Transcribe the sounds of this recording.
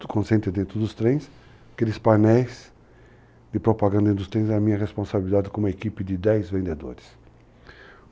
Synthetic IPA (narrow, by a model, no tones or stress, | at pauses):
kʰõsẽnt̪ɾɪd̪ẽnt̪ɾʊd̪ʊst̪ɾẽj̃s | kelɪspanɛjs | d̪ɪpɾopaɡɐ̃nd̪ɐ̃ẽd̪ʊst̪ɾẽj̃zɛɐmĩɲɐʁespõsabilid̪ad̪ɪkõũmɐekipɪd̪ɪd̪ɛjzvẽnd̪ed̪o̰ɾɪs